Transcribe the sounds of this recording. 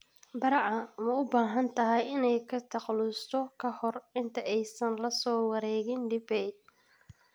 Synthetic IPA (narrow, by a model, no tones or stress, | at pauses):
bɐɾɑʕɐmɐʊbaːɦɐnt̪ʰɐɦɛjɪnɛjkʰɐt̪ʰɑqlʊst̪ʰɔkʰɐhɔrɪnt̪ʰɐʔɛjsɐnlɐsɔːwɑɾɛːɣɪnɖɪbɛj